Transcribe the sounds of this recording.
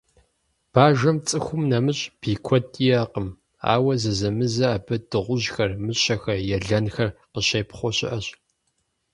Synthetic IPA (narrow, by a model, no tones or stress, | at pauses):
b̥aːʒɐmt͡sʼɨxʷʊmnɐmɨɕʼb̥iːkʷʰɔtʰʼijaːqəm | a̰ːwɐzɐzɐmɨzɐːbɨd̥ɨʁʷʊʑxɐrmɨɕɐxɐjɛɮɐnxɐrqəɕɐjpχʷɔɕɪ̰ʔɐɕʼ